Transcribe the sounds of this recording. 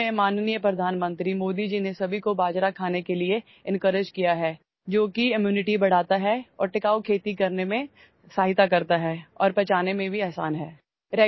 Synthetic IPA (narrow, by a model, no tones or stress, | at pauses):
ẽmaːnnijəpɾɐd̪ʱaːnmə̃nt̪ɾimoːd̪id͡ʒinesɐbʱikobaːd͡ʒɾakʰaːnekelie | ɪ̃nkəɾɪd͡ʒkijaɦɛː | d͡ʒoːkiɪmjuːnɪʈibɐɽ̤aːt̪aɦɛɔ̰ːɾʈɪkaːokʰeːt̪ikɐɾnemẽ | saːɦɪt̪akɐɾt̪aɦɛːɔːɾpɛt͡ʃaːnemẽbʱiɛːsaːnɦɛː | ɾɛː